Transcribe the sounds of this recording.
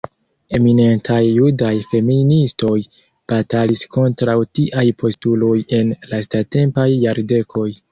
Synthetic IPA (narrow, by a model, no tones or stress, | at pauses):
e̞mine̞ntʰajːudajfe̞ministo̞j | b̥atalisko̞ntɾawtiʔajpʰo̞stulo̞je̞nlastate̞mpajːaɾde̞kʰo̞j